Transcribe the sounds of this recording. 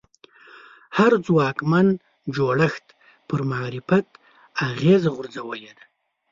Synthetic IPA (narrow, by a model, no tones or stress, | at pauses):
haɾd͡zwɑːkman | d͡ʒoɽaxt̪ | pəɾmaːɾɪfat̪ | aɣezaɣʊɾzawəled̪a